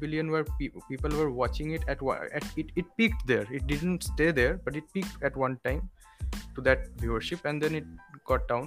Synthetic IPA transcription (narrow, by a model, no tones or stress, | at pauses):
bilijə̃nwəɾpipiːpəlʋəɾwɔt͡ʃɪ̃ŋɪʈɛʈw̰ɛ̰ʈɪʈɪʈ̚pikʈd̪eɾɪʈ̚ɖɪɖnʈsʈed̪eɾbʌʈɪʈ̚pik̚ʈɛʈwʌ̃nʈãɪ̃m | ʈud̪ɛʈ̚biəɾʃipɛ̃nɖd̪ɛ̃nɪʈ̚ɡ̥ɔʈ̚ɖãʊ̃n